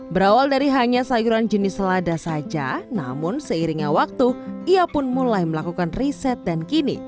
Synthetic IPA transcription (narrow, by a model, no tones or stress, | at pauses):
bəɾawaldaɾiɦaɲasajuɾand͡ʒənɪsladasad͡ʒa̰na̰mʊnsəiɾiŋɲawak̚t̪uiapʊnmulajməlakukanrisɛt̪̚dankinḭ